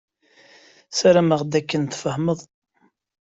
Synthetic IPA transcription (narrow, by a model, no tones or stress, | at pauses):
sæɾæməʁd̪ækːənt̪fəhməðˤ